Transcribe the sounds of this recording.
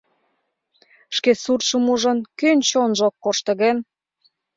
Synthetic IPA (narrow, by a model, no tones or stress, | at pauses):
ʃkesurʃəmuʒə̆nkønt͡ɕonʒokːoʃt̪ə̆ɣen